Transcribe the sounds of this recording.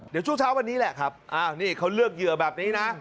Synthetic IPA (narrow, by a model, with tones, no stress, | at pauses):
di˨˩˦t͡ɕu˧˥˩t͡ɕʰaː˧˥wa˧nːiː˦˥lɛ˨˩kʰaː˦˥p̚ʔaː˧˩niː˧˩ka˧˩wlɨ˧˥˩ək̚jɨ˨˩əbɛː˨˩p̚niː˨˦˥na˨˦˥